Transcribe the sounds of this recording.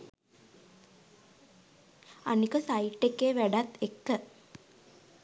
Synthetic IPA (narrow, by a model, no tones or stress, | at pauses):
a̰nikəsaiʈːekːeːʋæɖat̪ekːə